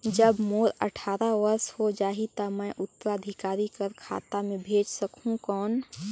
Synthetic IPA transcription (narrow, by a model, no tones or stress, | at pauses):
d͡ʒəbmoɾə̰ʈʰaːɾaʋəɾshod͡ʒaːɦit̪aməʔʊt̪ːəɾaəd̪ʱikaːɾikəɾkʰa̰ːt̪amebʱeːd͡ʒsəkũkɔːn